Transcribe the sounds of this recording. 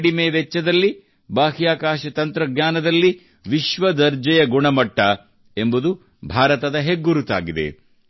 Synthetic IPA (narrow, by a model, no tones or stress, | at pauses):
ɽimeːʋɛt͡ʃːɐd̪ɐlːi | baːɦijaːkaːʃɐt̪ɐnt̪ɾɐɡɲaːnɐd̪ɐlːi | ʋiʃʋɐd̪ɐɾd͡ʒɐjɐɡuɳɐmɐʈːɐ | e̞mbud̪u | bʱaːɾɐt̪ɐd̪ɐɦeɡːuɾut̪a̰ːɡid̪e̞̰